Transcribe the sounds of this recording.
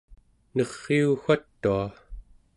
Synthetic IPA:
nʌʁːiuxat̪ːua

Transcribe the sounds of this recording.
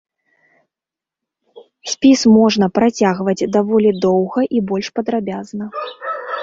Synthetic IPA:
sʲpʲismɔʐnɐpɾat͡sʲaɣvɐd͡zʲd̪avɔlʲid̪ɔwɣɐʔibɔlʲʂpɐd̪ɾabʲaznɐ

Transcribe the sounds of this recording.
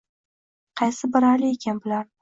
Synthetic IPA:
qʰɑjsɪbɪɾaɾlɪekʲʰanbɪlaɾ

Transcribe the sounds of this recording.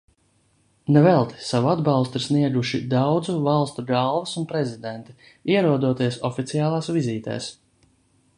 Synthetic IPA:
nɛvɛlˠt̪i̥savuad̪bɑlˠst̪uiɾsniɛɡuʃid̪awd̪zuvalˠst̪uɡalˠvasunpɾɛzid̪ɛnt̪i̥ | iɛɾuɔd̪uɔt̪iɛsɔfit̪sijaːlˠaːsviziːt̪ɛ̰ːs

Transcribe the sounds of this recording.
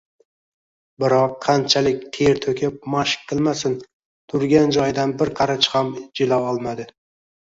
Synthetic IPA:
bɪɾɒqʰːɑnt͡ʃʰalɪkʲt̪ʰeɾt̪ʰɵkʲʰɪp̚maʃkqʰːɨlˠmasɪn | t̪ʰʊɾɡʲand͡ʒɒjd̪anbɪɾqʰɑɾat͡ʃhamd͡ʒɪlawɒlˠmad̪ɪ

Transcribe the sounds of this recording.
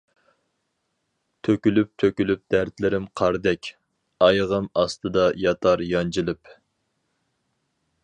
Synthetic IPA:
t̪ʰøkʲylyp̚t̪ʰøkʲylyp̚d̪̥æɾt̪lɪɾɪmqʰɑɾd̪ɛkʲ | ɑjʁəmɑst̪ɨd̪ɑjɑt̪ʰɑɾjɑnd͡ʒilˠɨp

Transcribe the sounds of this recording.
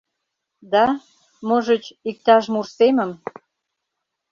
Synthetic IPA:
d̪ɑ | moʒə̆t͡ɕik̚t̪ɑʃmursemə̆m

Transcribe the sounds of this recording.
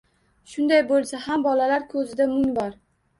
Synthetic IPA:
ʃʊnd̪ajbolˠsahambɒlalaɾkʰɵzɪd̪amʊŋbɒɾ

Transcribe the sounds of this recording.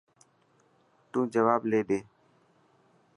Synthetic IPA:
t̪ũːd͡ʒəʋaːbleːɗeː

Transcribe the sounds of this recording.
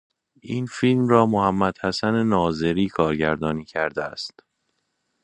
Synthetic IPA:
ʔiːnfiːlmrɒːmohæmːæd̪̥hæsænenɒːze̞ɾiːkʰɒːɾɟæɾd̪ɒːniːcʰæɾd̪eæ̰st̪

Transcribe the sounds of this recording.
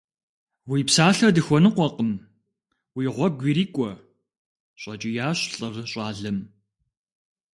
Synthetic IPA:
wiːpsaːɬɐdɨxʷɔnɨqʷɔqəm | wiːʁʷɔɡʷiːɾiːkʷʼɔ | ɕʷʼɐt͡ʃʼɪjaːɕɬʼɨrɕʼɑːɮɐm

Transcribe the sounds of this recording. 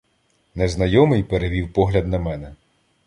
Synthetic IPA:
nɛznɐjɔmɪjpeɾeʋʲiwpɔɦlʲɐd̪̚nɐmɛnɛ

